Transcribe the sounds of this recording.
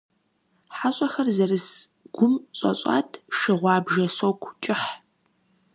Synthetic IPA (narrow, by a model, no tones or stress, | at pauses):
ħaɕʼɐxɐrzɐrɨsɡ̥ʷʊmɕʼɐ̰ɕʼɑ̰ːtʰʃɨʁʷɑːbʒɐsowkʷʰt͡ʃʼɪħ